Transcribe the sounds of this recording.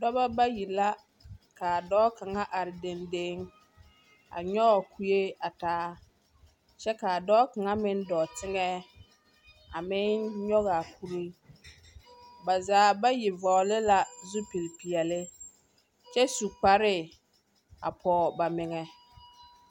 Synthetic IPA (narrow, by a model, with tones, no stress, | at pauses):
dɔ˦ba˦ba˦ji˨la˦ | ka˨a˨dɔː˦ka˨ŋa˦ʔa˨ɾɪ˨de˨nde˦ŋ | a̰˨ɲɔ˦˨ku˨je˦a˨taː˦ | t͡ʃɛ˦ka˨a˨dɔː˦ka˨ŋa˦mɪ˦ndɔ˨tɪ˦ŋɛ˦ | a˨mɪ˦nɲɔ˦ɣa˨ku˦ɾi˦ | ba˨zaː˨˦ba˦ji˨vɔ˨lɪ˦la˨zʊ˦pi˨ɾpi˨ɛ˨lɪ˦ | t͡ʃɛ˦su˨k͡pa˨ɾɪ˦ | a̰˨pʰɔː˨ba˨mɪ˨ŋɛ˨